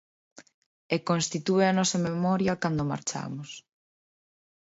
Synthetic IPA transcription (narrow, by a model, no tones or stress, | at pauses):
ekonst̪it̪ueɐnɔsɐmemɔɾjɐkand̪ʊma̰ɾt͡ʃa̰mʊs